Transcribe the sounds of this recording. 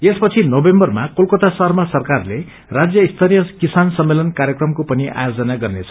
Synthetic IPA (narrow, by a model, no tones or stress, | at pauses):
espʌt͡sʰinobembʌrmakolkʌt̪asʌɦʌrmasʌrkarle | rad͡zjʌist̪ʰʌɾijʌkisansʌmːelʌnkarjʌkrʌmkopʌniʔa̰jod͡zʌnaɡʌrnet͡sʰʌ̥